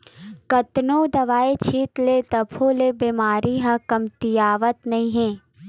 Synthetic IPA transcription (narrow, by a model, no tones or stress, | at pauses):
kɐt̪noːd̪ɐʋaːet͡ʃʰiːt̪led̪ɐpʰoːlebemaːɾiɦɐ̃kɐmt̪ɪjaːʋət̪nɐɦĩɦɛ̃ː